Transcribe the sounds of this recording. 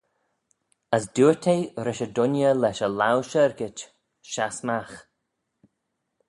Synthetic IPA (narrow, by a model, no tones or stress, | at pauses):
əsduːtʰejɾɪʃədʊnjəlɛʃəlawʃəɹɡɪt͡ʃ | ʃasmax